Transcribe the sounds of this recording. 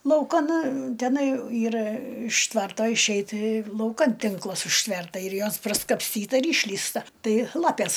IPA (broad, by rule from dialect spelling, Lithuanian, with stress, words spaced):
lˠɐʊˈkɐn tʲɛˈnɐɪ ˈiːrɐ ɪʃ ˈtʋɐrtoː ɪʃʲˈɛɪt lˠɐʊˈkɐn ˈtʲɪŋklˠɐs ʊʃʲˈtʲʋʲɛrtɐ ɪr ˈjoːs prɐskɐpʲsʲˈtʲiːtɐ ɪr ˈɪʃʲlʲiːstɐ ˈtɐɪ ˈlˠɑːpʲeːs